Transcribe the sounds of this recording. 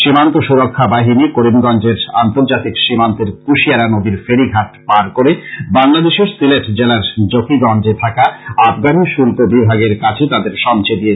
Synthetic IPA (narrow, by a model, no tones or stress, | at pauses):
ʃimant̪oʃuɾokʰːabaɦinikoɾimɡɔnd͡ʑeɾa̰nt̪oɾd͡ʑat̪ikʃimant̪eɾkuʃiaɾanod̪iɾfeɾiɡʱaʈpaɾkoɾebaŋlad̪eʃeɾsileʈd͡ʑelaɾd͡ʑokʰiɡɔnd͡ʑet̪ʰakaabɡaniʃulkobibʱaɡeɾkat͡ɕʰet̪ad̪eɾʃɔmt͡ɕʰed̪ije